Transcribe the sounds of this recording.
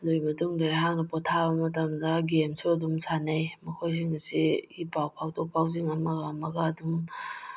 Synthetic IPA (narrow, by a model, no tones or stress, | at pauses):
duimɐtuŋdaɦaŋnɐpɔtʰabɐmɐt̬ɐmdɐɡemsodumsanajmɐkʰojziŋɐsiipawpʰawtʰɔk̚pʰawziŋɐmaɡamaɡadum